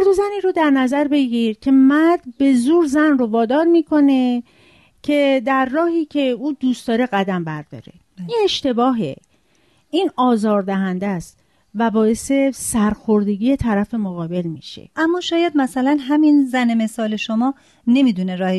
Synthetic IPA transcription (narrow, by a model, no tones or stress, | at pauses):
æɾd̪ozæniːɾod̪æɾnæzæɾbe̞ɟiɾcʲʰe̞mæɾd̪̚be̞zuːɾzænrovɒːd̪ɒːɾmiːkʰo̞ne̞ | cʰe̞d̪æɾːɒːhiːcʰe̞uːd̪uːst̪d̪ɒːɾe̞ɣæd̪æmbæɾd̪ɒ̰ːɾe̞̰ | jeeʃt̪e̞bɒːɦḛ | iːnɒːzɒːɾd̪æɦænd̪æst̪ | væbɒːje̞se̞sæɾxoɾd̪e̞ɟiːjet̪ʰæɾæfe̞moɣɒːbe̞lmḭːʃḛʔæmːɒːʃɒːjæd̪̚mæsælænɦæminzænemesɒːle̞ʃomɒː | ne̞mid̪uneɾɒːhe